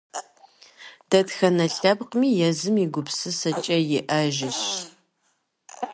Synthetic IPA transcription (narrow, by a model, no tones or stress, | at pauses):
d̥ɐtxɐnɐɬɐbqmiːjɛzɨmiɡʷʊpsɨsɐt͡ʃʼɐjɪʔɐʒɪɕ